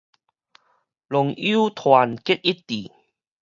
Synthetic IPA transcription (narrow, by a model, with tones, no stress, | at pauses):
lo˨˩ŋi˦t̪ʰwa˨˩nke˦˥t̚ʔi˦˥tt̪i˨˩